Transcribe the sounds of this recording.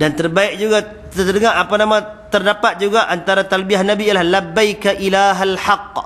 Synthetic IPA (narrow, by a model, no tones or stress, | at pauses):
dant̪ərbaɪk̚d͡ʒuɡa | əədəŋaapanamãt̪ərdapat̪̚d͡ʒuɡaʔant̪aɾat̪albiahnabijalahlabːajkaʔilaɦalħaq̚